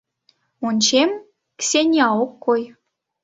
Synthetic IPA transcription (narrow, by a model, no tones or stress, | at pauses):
onʲt͡ɕem | ksʲenʲɑokːoj